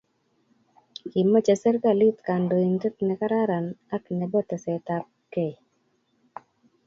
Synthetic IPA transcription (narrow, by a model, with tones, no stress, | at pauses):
ki˨mːa˦t͡ʃa˨sə˦ɾka˦˨li˦t̪ka˨ndo˨i˨ntə˦t̪nɛ˨ka˦ɾa˦ɾa˨na˦knɛ˨bɔ˦t̪ɛ˨sɛ˨t̪a˨p̚ke˨